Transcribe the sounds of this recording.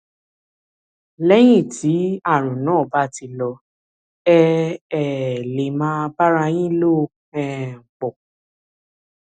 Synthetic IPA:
lɛ˦j̃ĩ˦˨ti˨˦a˦˨ɾ̃ũ˨nãː˨˦˨ba˦˨ti˧lɔ˧ | ɛ˧ɛ˨le˨mã˦˧ba˦ɾa˧j̃ĩ˦lo˦ | ɛ˦˨k͡pɔ˨

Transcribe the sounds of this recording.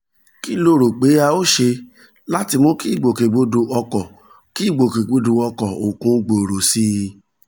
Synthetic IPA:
ki˦lo˦˨ɾo˨k͡pe˨˦a˧o˦ʃe˧ | la˦ti˧mõ˦ki˦i˦˨ɡ͡bo˨ke˨ɡ͡bo˧do˧ʔɔ˧kɔ˨ | ki˦˨ɡ͡bo˨ke˨ɡ͡bo˨˧do˧ɔ˧kɔ˨o˨kũ˨˦ɡ͡bo˨o˨ɾo˨si˦˧

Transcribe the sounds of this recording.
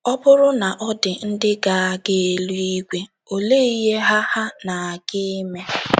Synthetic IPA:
ɔ˦bʊ˦ɾʊ˦na˨ʔɔ˦dɪ˨n̩˦dɪ˦ɡa˦˨a˦ɡe˦e˨lu˦i˦ɡʷe˦ | o˨le˦˨i˦ɦe˦ɦa˦ha˦na˨a˨ɡɪ˦me˦

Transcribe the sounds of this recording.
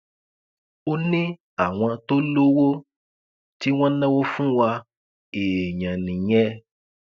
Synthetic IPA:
o˧nĩ˦ | a˨w̃ɔ̃˧to˦lo˦wo˦ | ti˦w̃ɔ̃˦nɛ̃˦wo˦fũ˦wa˧ | e˨ɲã˨nĩ˨j̃ɛ˧˦

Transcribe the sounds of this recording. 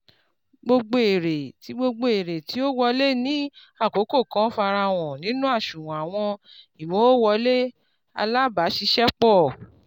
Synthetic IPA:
ɡ͡bo˧ɡ͡bo˧e˨ɾe˨ti˨˦ɡ͡bo˧ɡ͡bo˧e˨ɾe˨ti˨˦o˦wɔ˧le˦nĩ˦ | a˦˨ko˨˦ko˦˨kã˨˦fa˧ɾa˧w̃ɔ̃˨nĩ˨˦nũ˦a˦˨ʃũ˨wɔ̃˨a˨w̃ɔ̃˧i˨wɔ̃˨˦o˦wɔ˧le˦ | a̰˧la˦ba˨˦ʃi˧˦ʃɛ˦k͡pɔ˦˨

